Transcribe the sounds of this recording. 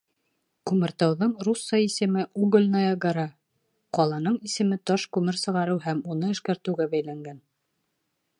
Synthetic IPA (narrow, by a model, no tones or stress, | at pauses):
kʉmɘ̆ɾt̪ɑwðɤɴrusːɑisɘ̆mɘʔuɡɘ̆lʲnɑjɑɡaɾɑ | qɒlˠɑnɤɴisɘ̆mɘt̪ɒʃkʉmɘɾsɤ̆ʁɑɾɤwɦæmunɤɘ̆ʃkæɾt̪ɘ̆wɡæbæjlæŋɡæn